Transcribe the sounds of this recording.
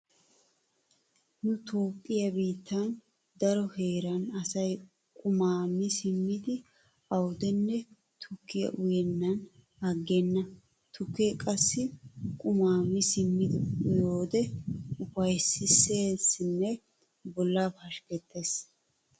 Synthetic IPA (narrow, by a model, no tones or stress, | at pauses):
nʊt̪o̞ːpʼːɪjɐbiːt̪ʰːɐn | d̪ɐɾɔhe̞ːɾɐnɐsɐj | kʼʊmaːmɪsɪmːɪd̪ɪ | ɐwd̪ɛnːɛ | t̪ʰʊkːɪjɐ̰ʔʊjɛnːɐn | ɐɡːɛnːɐ | t̪ʰʊkːekʼɐsːɪkʼʊmaːmɪsɪmːɪd̪ɪjo̞ːd̪ɛʊfɐjsɪseːsɪnːɛ | bɔlːaːpɐʃkɛt̪ːeːs